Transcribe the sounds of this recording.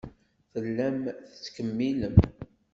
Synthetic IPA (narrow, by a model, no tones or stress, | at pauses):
θəlːæmθə̥t͡sːkəmːiləm